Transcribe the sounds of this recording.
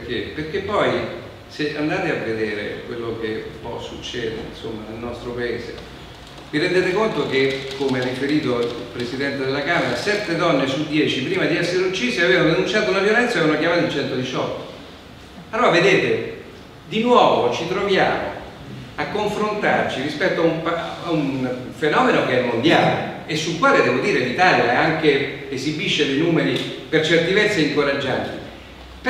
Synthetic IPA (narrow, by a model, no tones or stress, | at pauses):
pkeperk̟epːɔj | seʔa̰nd̪aːt̪eavːed̪eːɾḛkwelːok̟eṵmpɔ̰sːut͡ʃːɛ̰ːd̪ḛinsomːanelnɔst̪ɾopaeːzḛ | viɾend̪eːt̪ekont̪ok̟ekʰːomearːifeɾiːt̪oiilpɾesid̪ɛnt̪ed̪elːakaːmeɾasɛt̪ːed̪ɔnːesud̪jɛːt͡ʃipɾiːmad̪iɛsːeɾeut͡ʃːiːsiaveːvanod̪enunt͡ʃaːt̪ounavjolɛnt̪sanakjamaːt̪it͡ʃɛnt̪od̪it͡ʃɔt̪ːo̥ | alːoɾaved̪eːt̪e | d̪inwɔːvot͡ʃit̪ɾovjaːmo̰ | akːoɱfɾont̪a̰rt͡ʃiɾispɛt̪ːoauɱpaunfenɔːmenokeɛmːond̪jaːlḛesːulkwaːled̪ɛːvod̪iːɾelit̪aljaɛaŋkeezibiʃːed̪ejnuːmeɾipert͡ʃɛrt̪ivɛt̪sːeiŋkoɾad͡ʒːant̪i | p